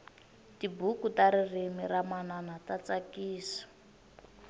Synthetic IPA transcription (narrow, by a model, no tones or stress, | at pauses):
tibukutaɾirimiramananatat͡sakiːsḁ